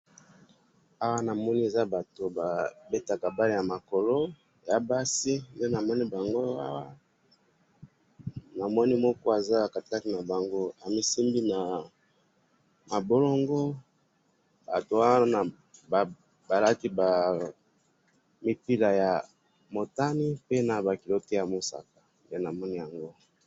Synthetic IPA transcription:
a˦wa˦na˨mɔ˦ni˦e˨za˦ba˨to˨ba˨be˦ta˨ka˨ba˦li˦˨ja˨ma˨ko˨lo˦ | ja˨ba˦si˦nde˦na˨mɔ˦ni˦ba˨ŋɡo˦a̰˦wa˦ | na˨mɔ˦ni˦mɔ˦kɔ˦e˨za˦a˨ka˨ti˨ka˦ki˦na˨ba˨ŋɡo˦a˨mi˦si˦mbi˦na˨ | ma˨bo˦lo˦ŋɡo˦ | ba̰˨to˨wa˦na˨ | b | ba˨la˦ki˦ba˨ | mi˨pi˦la˨ja˨ | mo˨ta˦ni˦pe˦na˨ba˨ki˨lo˦te˦ja˨mo˦sa̰˨kḁ˨nde˦na˨mɔ˦ni˦ja˨ŋɡo˦

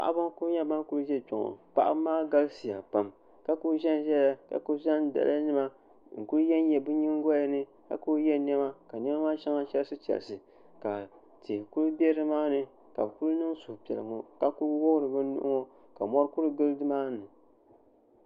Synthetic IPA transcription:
pa̰˨ʔa̰˦ba˦ŋku˦ɲa˦ba˦ŋku˦ɾʒɛ˦˨t͡ʃɔ˨ŋɔ̰˨pa̰˦ʔa̰˦maː˦ɡa˦ɡsi˨ja˨pa˦˨m | ka˦ku˦ʒɛ˦n˦ʒɛ˦la˦ka̰˨ku˦ʒɛ˦nda̰˨lʔa˦nɨ˦ma˦ | ŋ̩˨ku˦ɾjɛ˦n˦jɛ˨bɨ˦ɲi˦ŋ˦ɡɔ˦ja˨nɨ˦ | ka̰˦ku˦ɾjɛ˦nɛ˦ma˦ka˨nɛ˦ma˦maː˦ʃa˦ŋa˦t͡ʃɛ˦lsɨ˦t͡ʃɛ̰˨l̰sɨ˨ | ka˨ | te˨ku˦ɾbʲɛ˦ɾɨ˦maː˦nɨ˦ | ka˨bku˦lnɨ˦ŋ˦su˨hpɛ˨lɨ̰˨ŋɔ˨ka˨ku˦ɾwo˦hɾɨ˨bɨ˦nʊ̰˦ʔʊ̰˦ŋɔ˦ | ka˨mɔ˦ɾku˦ɾɨ˦ɡɨ˦ldɨ˦maː˦˨nɨ˨

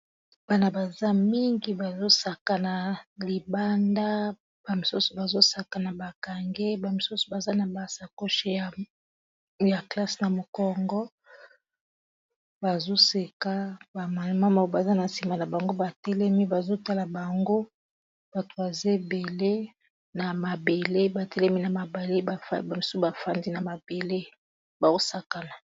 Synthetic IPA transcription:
b̥a˦na˨ba˨za˦mi˦ŋɡi˨ba˨zo˦sa˨ka˨na˨li˨ba˦nda˦ | ba˨mi˨su˦so˨ba˨zo˦sa˨ka˨na˨ba˨ka˨ŋɡe˦ba˨mi˨su˦so̥˨ba˨za˦na˨ba˨sa˨ko˦ʃe˦a˨ | ja˨kla˦sna˨mo˨kɔ˦ŋɡɔ˦ | ba˨zo˦se˨ka˦ba˨ma˨˦ma˦ma˨˦ba˨za˦na˨si˨ma˨na˨ba˨ŋɡo˦ba˨tɛ˦lɛ˦mi˦ba˨zo˦ta˦la˨ba˨ŋɡo˦ | b̥a˨to˨ba˨ze˦be˨le˦ | na˨ma˨be˨le˦ba˨tɛ˦lɛ˦mi˦na˨ma˨ba˨le˦a˨fba˨mi˨sba˨fa˦ndi˦na˨ma˨b̥e˨le˦ | ba˨o˦sa˨ka˨na˨

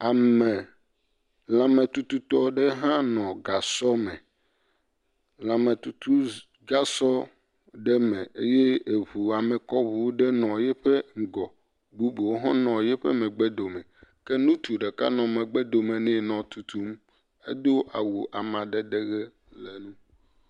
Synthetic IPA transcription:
a˨mɛ̃˨ | lã˨mẽ˨t̪u˦t̪u˦t̪ɔ˦ɖe˦ɦã˦nɔ̃˨ɡa˨sɔ˦mɛ̃˨ | lã˨mẽ˨t̪u˨t̪ʰu˦ | ɡa˦sɔ˦ | ɖɛ˦mɛ̃˨ʔe˦je˦e˨βu˨a˨me˨kɔ˦βu˨wo˦ɖe˦nɔ̃˨jɛ˦ɸe˦ŋ̩˨ɡɔ˨ | bu˦bo˨wo˦ɦɔ̃˦nɔ̃˨jɛ˦ɸḛ˦mɛ̃˨ɡ͡bɛ˦d̪o˨mɛ̃˨kɛ˦nũ˦t̪u˨ɖe˨ka̰˦nɔ̃˨mɛ̃˨ɡ͡bɛ˦d̪o˨mẽ˨nɛ̃˦nɔ̃˨t̪u˨t̪u˦m | ḛ˦d̪o˦ʔa˨wu˨ʔa˨mã˨ɖɛ˦ɖe˦ɣɛ˦ | lɛ˨nũ˦

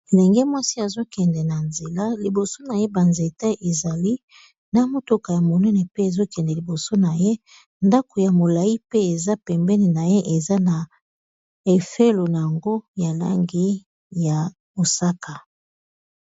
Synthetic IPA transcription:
e˨lɛ˨ŋɡɛ˦mwa˦si˦a˨zo˦kɛ˨ndɛ˨na˨nze˨la˦li˨bo˨so˦na˨je˦ba˨nze˨ta˦ʔe˨za˨li˦ | na˨mo˨to˨ka˨ja˨mo˨nɛ˦nɛ˨pe˦e˨zo˦kɛ˨ndɛ˨li˨bo˨so˦na˨je˦ | nda˦ko˨ja˨mo˨la˨i˦pe˦e˨za˦pɛ˨mbɛ˦nɛ˨na˨je˦ʔe˨za˦na˨ | e˨fe˦lo˨na˨ja˨ŋɡo˦ja˨la̰˦ŋɡi˦ | ja˨ | bo˨sa˦ka˨

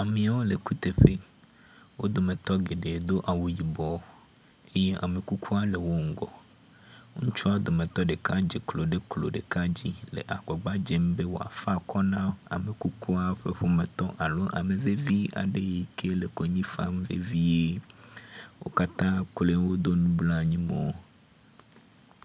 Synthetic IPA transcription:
a˨mĩ˨a˨wo˦le˨ku˦t̪e˨ɸe˦ | wo˦d̪o˨me˨t̪ɔ˦ɡe˨ɖe˨d̪o˦ʔa˨wu˨ji˨bɔ˨ | e˦je˦ʔa˨me˨ku˦kʰu˦a˦le˨wo˦ŋ̩˦ɡɔ̰˨ | ŋũ˦t͡ʃu˦a˦d̪o˨mẽ˨t̪ɔ˦ɖe˨ka˦d͡ʒe˨klo˨ɖe˦klo̰˨ɖe˨ka˦d͡ʑi˦lḛ˨ʔa˨ɡ͡bɔ˨ɡ͡ba˦d͡ʒe˦m˦be˦wo˨a̰˨fa˦kɔ˦nã˦a̰˨me˨ku˦ku˦a˦ɸe˦ɸo˦me˨t̪ɔ˦ʔa˨lo˦ʔa̰˨me˨ve˦vi˦a̰˨ɖe˦je˨kʰe˦le˨ko˨ɲĩ˦fa̰˦m˦vḛ˦vi˦je˦ | wo̰˦ka˦t̪ã˦k͡ple˦wo˦d̪o˦nũ˦bla˦ɲĩ˦me˨o˦

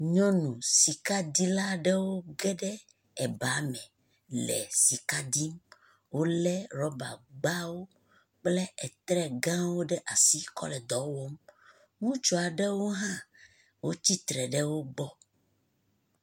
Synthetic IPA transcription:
ɲɔ̃˦nũ˨si˨ka˦d̪i˦la˦ɖɛ˦wo˦ɡɛ˦ɖɛ˦ | ɛ˨ba˨˦mɛ̃˨ | lɛ̰˨si˨ka˦d̪i˦m | wo˦lɛ˦ɾɔ˦ba̰˨ɡ͡ba˦wo˦ | k͡plɛ˦ɛ˨t̪ɾɛ˦ɡã˦wo˦ɖɛ˦ʔa˨si˦kɔ̰˦lɛ˨d̪ɔ˨wɔ˦m | ŋũ˦t͡ʃɔ˨a˨ɖɛ˦wo˦ɦã˦ | wo˦t͡ɕi˦t̪ɾɛ˨ɖɛ˦wo˦ɡ͡bɔ˦

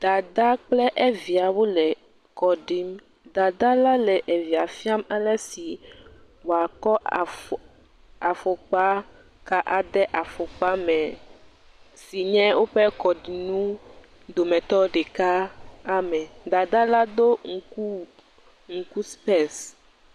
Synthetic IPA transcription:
d̪̥a˨d̪a˦k͡plɛ˦ʔɛ˦vi˨a˨wo˦lɛ˨ | kɔ˨ɖi˦m | d̪a˨d̪a˦la˦lɛ˨ʔe˨vi˨a˨fi˦a˦mɛ˦lɛ˦si˨ | wo˨a˨kɔ˦˨ | a˨fo˨k͡pa˦ | ka˦ʔa˨ɖɛ˦ʔa˨fo˨k͡pa˦mɛ̃˨ | si˨ɲɛ̃˦wʔo˦ɸɛ˦kɔ˨ɖi˨nũ˦ | d̪o˨mɛ̃˨t̪ɔ˦ɖɛ˨ka˦a˦mɛ̃˨d̪a˨d̪a˦la˦d̪o˦ŋu˨ku˦ | ŋu˨ku˦spɛ˦s

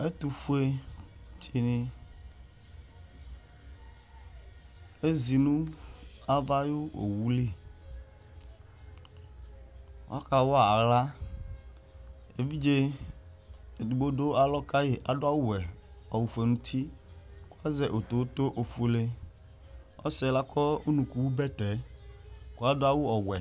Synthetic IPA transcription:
e˦t̪u˨fu˦e˦tʰi˨nĩ˨ | e˦zi˨nũ˦a˦va˦jo˦wo̰˨wu˦li˦˨ | wo̰˦a˦ka˨wɔ˦a˨a˨la˦ | e˨vi˦d͡ʒe˦˨ | du˨ɡ͡bo˦do˦a˨lɔ˦ka˦je˨ʔa˨dʊ˦a˦wu˦wɛ˨ɔ˨wu˨fe˨nũ˦t̪ʰi˦ko˦a˦zɛ˦˨ʔo˨t̪o˨˦t̪o˦ʔo˨fo˨˦le˦ | ɔ̰˦sɛ˨la˦kɔ˦u˦nũ˨ku˨wu˦bɛ˦tɛ˨˦ | ko˦a˦dʊ˦a˨wu˦ɔ˨wɛ˨

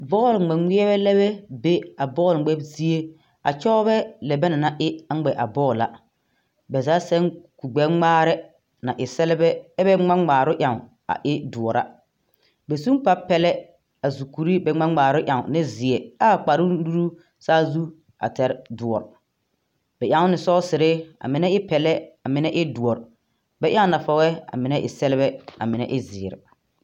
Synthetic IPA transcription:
bɔː˦˨lŋ͡mɛ˨ŋ͡mi˦ɛ˦βɛ˦lɛ˦βɛ˦be˦a˨bɔː˦˨lɡ͡bɛ˦bzi˦e˦ | a̰˨t͡ʃɔ˦βɛ˦lɛ˨bɛ˦na˨na˨ʔɪ˦a˨˦ɡ͡bɛ˨ʔa̰˨bɔː˦˨la̰˨ | bɛ˨zaː˨˦sɛ˦ŋku˨ɡ͡bɛ˦ŋ͡maː˦ɾɪ˦ | na˨ʔɪ˨sɛ˦lɪ˦bɛ˦ɛ˦bɛ˦ŋ͡ma˦ŋ͡maː˨ɾʊ˦ʔja˨ŋ˨ | a̰˨ʔɪ˦dʊ˨ɔ˨ɾa̰˦ | bɛ˨su˦ŋpa˦pɛ˦lɛ˦ | a˨zu˨ku˨ɾi˦bɛ˨ŋ͡ma˦ŋ͡maː˨ɾʊ˦ʔja˨ŋ˨nɪ˦zɪ˨ɛ˨a˦˨k͡pa˨ɾʊ˦du˦ɾu˦ | saː˦zu˦ | a̰˨tɛ˨ɾdʊ˨ɔ˨ɾ | b̥ɛ˨ʔjã˨˦ŋ˦nɪ˨sɔ˦sɪ˨ɾɪ˦a̰˨mɪ˨nɛ˦ɪ˦pɛ˨lɛ˦a˨mɪ˨nɛ˦ʔɪ˦du˨ɔ˨ɾ | bɛ˦ʔa˦ŋ˦na˨fɔ˦ɣɛ˦a̰˨mɪ˨˦nɛ˦ʔɪ̰˨sɛ˦lɪ˦bɛ˦a̰˨mɪ˨nɛ̰˦ʔɪ˦zɪː˨ɾɪ̰˨

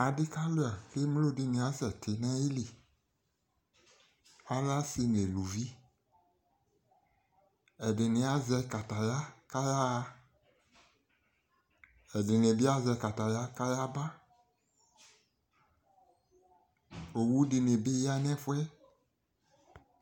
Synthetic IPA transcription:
a˨dɪ˦ka˦lo˦a˨ke˦m˦lo˦˨di˨nĩ˨a˨sɛ˨tʰɪ˨nɛ̃˦ji˦li˨ | a˦la˦si˧ne˨lu˨vi˦ | ɛ˨dɪ˨nɪ̃˨˦a˦zɛ˧ka˨ta˨ja˦ka˦ja˦˧ | ɛ˨dɪ˨ne˨bi˦a˦zɛ˧ka˨ta˨ja˦ka˦ja˦ba˦ | o˨wu˦di˨ne˨be˦ja˦nɛ̃˦fʊ˦ɛ˦

